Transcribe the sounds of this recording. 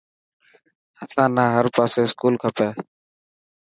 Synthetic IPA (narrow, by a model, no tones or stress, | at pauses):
əsãːnaːɦəɾpaːseːɪskuːlkʰəpeː